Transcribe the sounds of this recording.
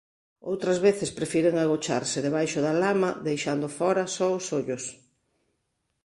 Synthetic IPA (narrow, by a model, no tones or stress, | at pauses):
o̰wt̪ɾɐzβeθespɾefiɾeŋaɣ̞ot͡ʃa̰ɾsɪðeβajʃʊðalamɐðejʃand̪ʊfɔɾɐsɔʊsoʎʊs